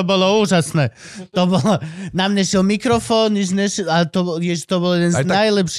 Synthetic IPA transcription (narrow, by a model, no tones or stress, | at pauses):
ɔbɔlɔuːʒasnɛː | t̪ɔbɔlɔnamɲɛʃɛlmikɾɔfɔːnniʒnɛʃat̪ɔjɛʃt̪ɔbɔljɛd̪ɛnnajlɛpʃ